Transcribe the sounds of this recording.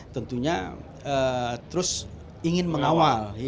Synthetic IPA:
t̪ənt̪uɲa | ət̪əɾʊs | iŋɪnməŋawal

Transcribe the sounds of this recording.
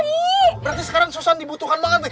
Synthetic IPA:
bəɾart̪isəkaɾaŋsosandibut̪ukanlaŋat̪̚

